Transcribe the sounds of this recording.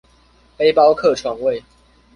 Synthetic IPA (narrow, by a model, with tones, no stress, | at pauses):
pe˥ɪpɑ˥ʊkʰɤ˥˨˩ʈ͡ʂʰwa˨˥ŋwe˥˨ɪ